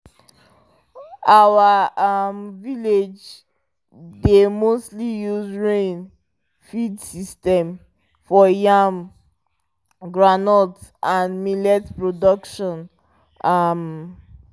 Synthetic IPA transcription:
awaamviled͡ʒ | demostlijuzɹẽn | fidsistɛ̃m | fɔjam | ɡɹanɔltʔãnmilɛtpɹodɔkʃɔ̃n | am

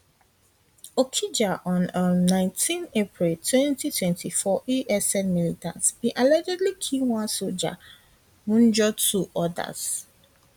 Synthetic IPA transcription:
okʰid͡ʒaʔɔ̃nːãɪ̃ntʰĩnepɹiltʰwɛ̃ntitʰwɛ̃ntʰifɔʔiʔɛsɛ̃nmilita̰sbĩʔɛlɛd͡ʒɛdlikʰĩwãsod͡ʒa̰ | mũnd͡ʒɔtʰuʔɔda̰s

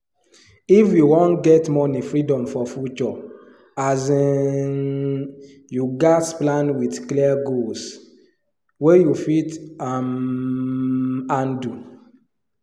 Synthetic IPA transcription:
ifjuwɔ̃nɡɛtmɔnifɹidɔ̃mfɔfut͡ʃɔ | azin | juɡasplãnwitklɛaɡols | wejufitam | ãndu

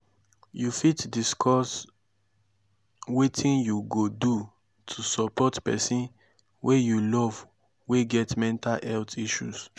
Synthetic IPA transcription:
jufitdiskʰɔs | wetʰĩnjuɡodu | tʰusɔpɔtpɛ̰sĩn | wʔejulɔv | weɡɛtmɛ̃ntaɛltiʃṵs

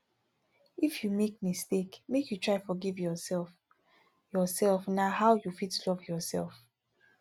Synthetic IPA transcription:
ifjumek̚mistekmekjutʰɹaɪfɔɡivjɔsɛlf | jɔsɛlfnahaʊjufitlɔvjɔsɛ̰lˠf

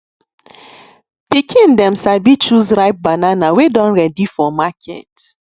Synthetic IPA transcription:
pikʰĩndɛ̃msabit͡ʃuzɹaɪp̚bananawedɔ̃nɹɛdifɔmakʰɛ̰t

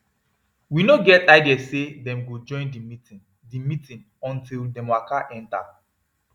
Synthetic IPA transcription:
winoɡɛtaɪdɛsedɛ̃mɡod͡ʒɔ̃ɪ̃ndimi | dimitĩn | ɔ̃ntildɛ̃mwakaʔɛ̃nta̰

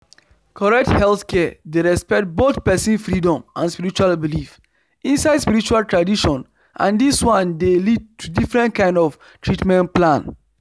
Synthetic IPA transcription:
kʰɔɹɛk̚thɛlθkʰɛdeɹɛspɛk̚t̚boθpɛsĩnfɹidɔ̃mʔãnspiɹit͡ʃualbilif | ĩnsaɪdspiɾit͡ʃualtɹadiʃɔ̃n | ʔã̰ndiswãndelid̚tʰudifɹɛ̃ntkãɪ̃ndɔf | tʰɹitmɛ̃nplãn

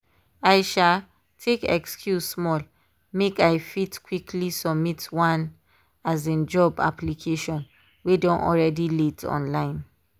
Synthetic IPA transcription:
aɪʃal | tʰekɛ̰kskʰjussmɔl | mekaɪfitkwikʰlisɔbmitwãn | azẽnd͡ʒɔba̰plikʰeʃɔ̃n | wedɔ̃nʔɔ̰lɹɛdilitʰɔ̰̃nlãɪ̃n

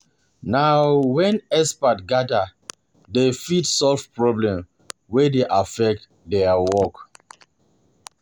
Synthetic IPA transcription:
nawwɛ̃nɛspatɡada | defitsɔlfpɹɔblɛ̃m | wɛdeʔafɛk̚t | dɛawɔk

